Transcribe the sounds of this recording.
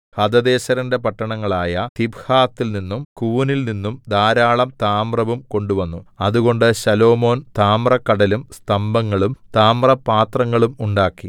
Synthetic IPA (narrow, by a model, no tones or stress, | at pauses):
hɐd̪ɐd̪e̞ːɕɐɾɐnde̞pɐʈːɐɳɐŋːɐɭaːjɐt̪ibhaːt̪ːilninːumkuːnilninːumd̪aːɾaːɭɐmt̪aːmrɐʋumko̞ɳɖuʋɐnːuɐðuɣo̞ɳɖɨɕɐlo̞ːmo̞ːnt̪aːmrɐkːɐɽɐlumst̪ɐmbɐŋːɐɭumt̪aːmrɐpaːt̪rɐŋːɐɭumuɳɖaːkːi